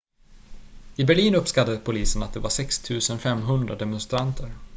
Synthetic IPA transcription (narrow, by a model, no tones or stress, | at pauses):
ɪbæɭiːnɵpːskat̪ːad̪əpʰʊliːsənat̪̚d̪ɛvaʂɛkst̪ʰʉ̟ːsənfɛmːɦɵnd̪ɾad̪ɛmʊnst̪ɾant̪ʰəɾ